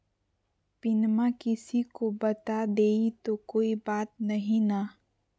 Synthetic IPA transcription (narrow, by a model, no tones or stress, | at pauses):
pɪnmakɪsikobɐt̪ad̪eːit̪okoːibaːt̪̚nɐɦĩna